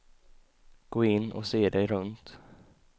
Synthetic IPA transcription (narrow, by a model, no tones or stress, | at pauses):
ɡ̥oːɪnːʔɔ̰seːd̪ɛjɾɵnt̪